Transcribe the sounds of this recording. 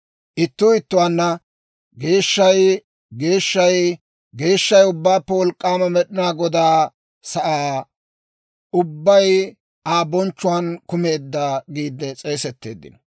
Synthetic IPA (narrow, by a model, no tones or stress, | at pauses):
ʔɪt̪ːʊɪt̪ːʊwanːɐ | ɡe̞ːʃːɐj | ɡe̞ːʃːɐj | ɡe̞ːʃːɐjʊbːaːpːɛwɔlkʼːaːmɐmɛɗɪnaːɡɔd̪aː | sɐʔaː | ʊbːɐj | aːbɔnt͡ʃːʊwankʊme̞ːd̪ːaːɡiːd̪ːɛt͡sʼe̞ːsɛt̪ːe̞ːd̪ːɪ̰nɔ